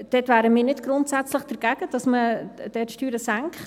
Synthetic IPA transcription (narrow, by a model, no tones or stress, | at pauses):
d̥ɛtʋæːɾəmiːnɪdɡ̥ɾʊntsæt͡slɪχd̥əɾɡ̥æɡ̥əd̥ɑsməd̥ɛtʃtyːɾəsæŋkχt